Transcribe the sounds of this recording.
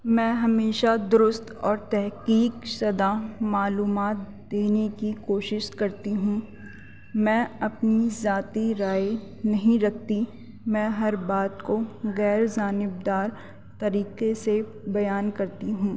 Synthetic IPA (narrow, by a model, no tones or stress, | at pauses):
mɛ̃ːɦɐmeːʃad̪ʊɾʊst̪ɔːɾt̪ɛɦkiːksɐd̪amaːluːmaːt̪̚ | d̪eːnekikoːʃɪʃkɐɾt̪iɦũ | mɛ̃ːɐpnizaːt̪iɾaːe | nɐɦĩɾɐk̚ʰt̪i | mɛ̃ːɦɐɾbaːt̪koɣɛːɾd͡ʒaːnɪb̚d̪aːɾ | t̪ɐɾiːqese | bɐjaːnkɐɾt̪iɦũː